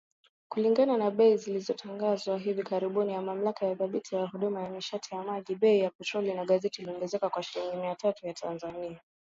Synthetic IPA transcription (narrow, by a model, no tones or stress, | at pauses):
kuliŋɡananaɓɛizilizɔtʰaŋɡazwaɦivikaɾiɓunijamam̩lakajaθaɓitʰijahuɗumajamiʃatʰijamaʄiɓɛijapɛtɾɔlinaɠazɛtiliɔŋɡɛzɛkakwaʃiliŋɡimiatʰatujatʰanzania